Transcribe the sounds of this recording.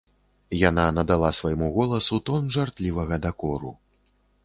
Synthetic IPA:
jananɐd̪alˠasvajmuɣɔlˠɐsut̪ɔnʐart̪lʲivɐɣɐd̪akɔɾṵ

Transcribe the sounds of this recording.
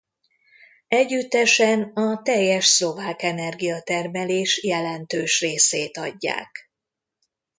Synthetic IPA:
ɛɟːyt̪ːɛʃɛnɒt̪ɛjːɛʃslo̞vaːkɛnɛrɡijɒt̪ɛrmɛleːʃjɛlɛnt̪øːʃreːseːt̪ɒ̰ɟːa̰ːk

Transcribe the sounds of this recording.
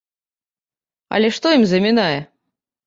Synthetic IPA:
ɐ̰lʲɛʂt̪ɔimzɐmʲinajɛ

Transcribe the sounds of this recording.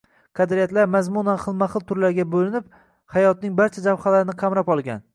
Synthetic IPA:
qʰɑd̪ɾɪijat̪laɾmazmʊnanχɨlˠmaχɨlˠt̪ʰʊɾlaɾɡʲabolɪnɪp̚ | hajɒt̪̚nɪŋbaɾt͡ʃʰad͡ʒawhalaɾɪnɪqʰɑmɾapɒlˠɡʲa̰n

